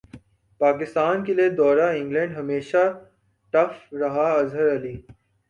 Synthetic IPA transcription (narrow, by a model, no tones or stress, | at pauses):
paːkɪst̪aːnkelied̪ɔːɾaɪ̃ŋɡlɛ̃ːɳɖɦɐmeːʃa | ʈɐfɾɐɦaɐzɦəɾɐliː